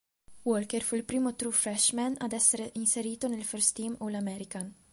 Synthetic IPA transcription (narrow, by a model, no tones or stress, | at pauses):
wɔːlkɛɾfʊɪlpɾiːmut̪ɾuːfɾɛʃmɛnɐ̰ːd̪ɛsːɛɾʔɪnsɛɾiːt̪ɔnɪlfɛɾst̪iːmulɐmɛɾɪkɐn